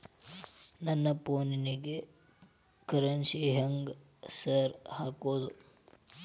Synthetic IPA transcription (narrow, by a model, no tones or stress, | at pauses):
nɐnːɐpoːniniɡe | kɐɾɐnsiɦɐŋɡ | sɐɾhaːkoːd̪u